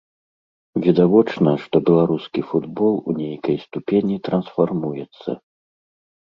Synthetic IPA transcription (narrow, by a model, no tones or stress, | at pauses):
vʲid̪avɔt͡ʂnɐʂt̪ɔbʲɛlˠaɾuskʲifud̪bɔlˠṵnʲejkɐjst̪upʲenʲit̪ɾɐnsfarmujɛt̪sːɐ̰